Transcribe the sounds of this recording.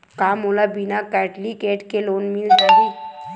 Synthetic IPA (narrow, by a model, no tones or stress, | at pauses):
kaːmolabinakɛːʈlikeːʈkeloːnmild͡ʒaɾi